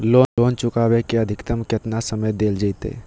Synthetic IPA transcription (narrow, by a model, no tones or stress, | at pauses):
loːnloːnt͡ʃʊkabekeəd̪ʱɪkt̪əmket̪nasəməjd̪eːld͡ʒəɪt̪ḛː